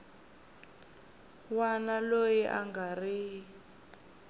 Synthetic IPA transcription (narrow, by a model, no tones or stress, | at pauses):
wanalojiʔa̰ŋɡariː